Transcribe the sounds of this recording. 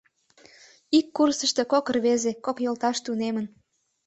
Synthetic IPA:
ikːursəʃt̪e̽kokərβezekokjolt̪ɑʃt̪unemən

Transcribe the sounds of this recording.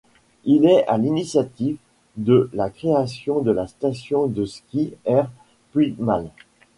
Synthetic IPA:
ilɛa̰linisjat̪iv | d̪əlakχeasjɔ̃d̪əlast̪asjɔ̃d̪əskʲiɛʁ | pit̪mal

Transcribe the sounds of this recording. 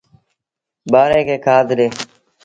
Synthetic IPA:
baːɾẽːkeːkʰaːd̪ʱɾeː

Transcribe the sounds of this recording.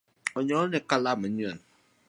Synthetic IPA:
ɔɲɔnekalamaɔn

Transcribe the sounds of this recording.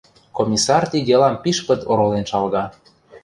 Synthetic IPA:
komʲisɑrt̪id̪ʲelɑmpiʃpə̆t̪oɾolenʃɑlɣɑ

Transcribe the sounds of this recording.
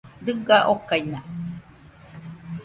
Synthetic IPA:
d̪ɨɡaʔokajna

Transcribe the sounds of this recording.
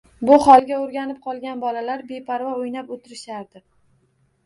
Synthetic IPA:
bʊχɒlˠɡʲaoɾɡʲanɪp̚qʰɒlˠɡʲanbɒlalaɾbe̞pʰaɾvaojnapot̪ʰɪɾɪʃaɾd̪ɪ

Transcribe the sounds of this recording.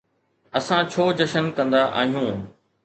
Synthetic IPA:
ɐsãt͡ɕʰoːd͡ʑɐʃənkɐ̃nd̪aʔa̰ːɦijũː

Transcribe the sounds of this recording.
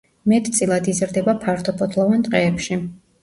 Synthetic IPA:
mɛt̪ʼt̪sʼilˠad̪izɾd̪ɛbapʰaɾt̪ʰɔpʰɔt̪ʰlˠɔvant̪ʼqʼɛːpʃi

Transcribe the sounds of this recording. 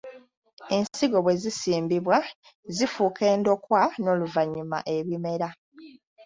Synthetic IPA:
e̞nsiɡo̞βwe̞zisiːmbiβwa | zifuːke̞ːndo̞kwano̞ːluvaɲːuma̰ʔe̞βime̞ɾa

